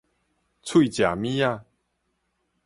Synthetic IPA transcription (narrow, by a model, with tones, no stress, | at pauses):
t͡sʰwi˥˨t͡ɕja˨˩mĩ˦a˥˧˨